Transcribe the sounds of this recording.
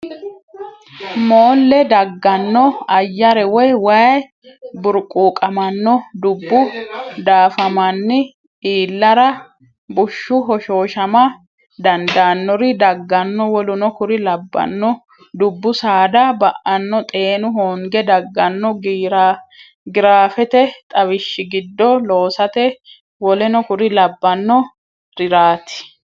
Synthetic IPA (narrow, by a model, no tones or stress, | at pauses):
moːlːɛd̪ɐɡːɐnːɔɐjːɐɾɛwɔjwɐj | bʊɾkʼuːkʼɐmɐnːɔd̪ʊbːʊd̪aːfɐmɐnːɪ | iːlːɐɾɐ | bʊʃːʊɦɔʃo̞ːʃɐmɐ | d̪ɐnd̪anːɔɾɪd̪ɐɡːɐnːɔwɔlʊnɔkʊɾɪlɐbːɐ̰nːɔ | d̪ʊbːʊsaːd̪ɐbɐʔɐnːɔt̪ʼe̞ːnʊɦoːŋɡɛd̪ɐɡːɐnːɔɡɾa | ɡɪɾaːfɛt̪ɛt̪ʼɐβɪʃːɪɡɪd̪ːɔlo̞ːsɐt̪ɛ | wɔlɛnɔkʊɾɪlɐbːɐnːɔ | ɾɪɾaːt̪ɪ̥